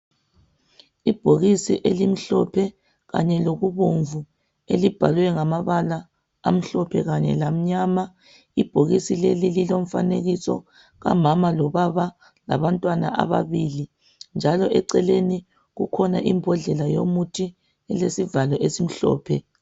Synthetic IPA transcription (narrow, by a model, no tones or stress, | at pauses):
ib̥ʱoɣisiʔelim̩ɬɔpʰɛ | ɣa̰ɲɛloɣuβoɱvu | elib̥ʱalwɛŋamaβala | a̰m̩ɬɔpʰɛɣaɲɛ̰lam̩ɲama | ib̥ʱoɣisilelililom̩faneɣisɔ̰ | ɣa̰mamalɔβaβa | la̰βantʼwana̰ʔa̰βa̰βili | nd͡ʒʱalɔʔɛǀɛleni | ɣukʰɔna̰ʔimbʱɔɮɛlajomutʰi | ɛlesivalɔʔesim̩ɬɔ̰ːpʰɛ